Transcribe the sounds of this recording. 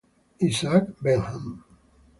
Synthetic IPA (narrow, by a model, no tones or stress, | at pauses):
isakbelham